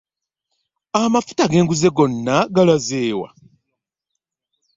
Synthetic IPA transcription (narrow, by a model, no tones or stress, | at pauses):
amafu̥taɡe̞ːŋɡuze̞ɡo̞nːaɡalwazeːwa̰